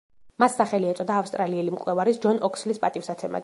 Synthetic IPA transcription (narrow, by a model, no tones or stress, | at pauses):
masːaχɛliɛt̪sʼɔd̪aːfst̪ʼɾaliɛlimkʼlɛvaɾisd͡ʒɔnɔkʰslispʼat̪ʼifsat̪sʰɛma̰